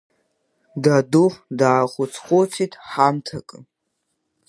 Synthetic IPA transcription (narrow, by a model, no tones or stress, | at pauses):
daduχʷdaːχʷʊt͡sʰχʷʼot͡sʰitʼʰħamtʰakʼɨ